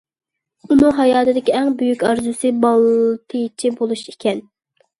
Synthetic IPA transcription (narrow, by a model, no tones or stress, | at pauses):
unɨŋɦɑjɑːt̪ɨd̪ɪkʲiæŋbyjykʲɑɾzɨsɨbɑlˠt̪ʰɨt͡ʃʰibolˠuʃikʲɛn